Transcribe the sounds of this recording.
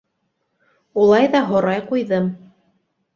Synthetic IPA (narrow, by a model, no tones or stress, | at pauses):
ulˠɑjðɑɦŏɾɑjqujðɤm